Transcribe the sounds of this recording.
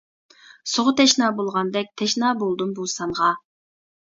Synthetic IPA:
soʁʊt̪ʰɛʃnɑːbolˠʁɑnd̪ɛk̚ʲt̪ʰɛʃnɑːbolˠd̪ɨmbusɑŋʁɑ

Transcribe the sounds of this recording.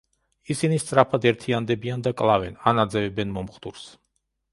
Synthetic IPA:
isinist̪sʼɾapʰad̪ɛɾt̪ʰiand̪ɛbiand̪akʼlˠavɛnanad̪zɛvɛbɛnmɔmχd̪uɾs

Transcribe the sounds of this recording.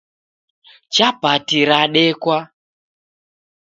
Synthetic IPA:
t͡ʃabʱatiɾaɗɛkwa

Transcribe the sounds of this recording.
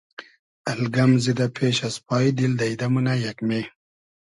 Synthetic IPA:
ɐlɡɐmzid̪apʰeːɕaspɑːid̪ild̪ɐid̪ɐmunajɐkme

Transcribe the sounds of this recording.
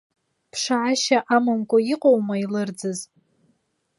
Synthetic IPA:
pʰʂaʕaʃaʔamamkʷʼaiqʼowmailɨrd͡zɨz

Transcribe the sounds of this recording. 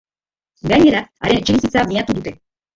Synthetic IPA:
ɡaɲeɾaaɾent͡ʃiɾisit͡samiat̪ud̪ut̪e

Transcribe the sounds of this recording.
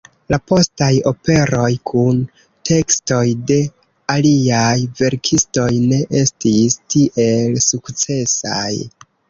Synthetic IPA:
lapo̞stajo̞pe̞ɾo̞jkʰun | tʰe̞ksto̞jde̞ | aliajve̞ɾkʰisto̞jne̞ʔe̞stistiʔe̞lsukt͡se̞sa̰j

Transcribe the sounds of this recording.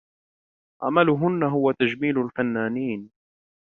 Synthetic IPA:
ʕa̰malʊɦʊnːaɦʊwat̪ad͡ʒmiːlʊlfanːaːniːn

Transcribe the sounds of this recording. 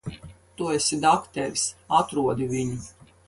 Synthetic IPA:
t̪uesid̪akt̪ɛɾʲsat̪ɾuɔd̪ʲivʲiɲi

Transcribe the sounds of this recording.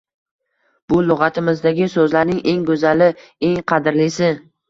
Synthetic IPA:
b̥ʊlˠʊʁɑt̪ʰɪmɪzd̪aɡʲɪsɵzlaɾnɪŋʔe̞ŋɡɵzalɪe̞ŋqʰɑd̪ɪɾlɪsɪ

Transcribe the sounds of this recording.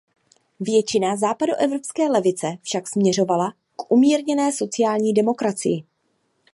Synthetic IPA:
vjɛt͡ʃɪnazaːpadoʔɛvɾo̞pskɛːlɛvɪt͡sɛfʃaksmɲɛro̞vala | kʔumiːɾɲɛnɛːso̞t͡sɪjaːlɲiːdɛmo̞kɾat͡sɪ̰jɪ

